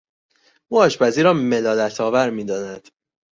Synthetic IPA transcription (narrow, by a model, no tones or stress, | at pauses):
ʔuːɒːʃbæziːɾɒːme̞lɒːlæt̪ʰɒːvæɾmiːd̪ɒːnæd̪̥